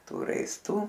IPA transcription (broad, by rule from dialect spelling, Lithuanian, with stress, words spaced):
ˈtuː rɐɪsˈtuː